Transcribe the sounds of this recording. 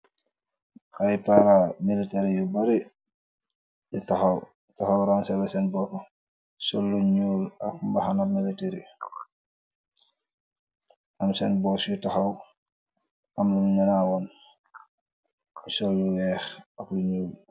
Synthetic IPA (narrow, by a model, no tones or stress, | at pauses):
hajpaɾamiliteɾijubaɾi | jutaxɐw | taxɐwɾansɛlɛsɛnbɔkɔ | sɔlːuɲuːlɐkumbaxanamiliteɾḭ | ɐmsɛnbɔːsjutaxɐw | ʔɐmlumɲɐnawɔn | sɔlːuwɛːxɐkluɲuːl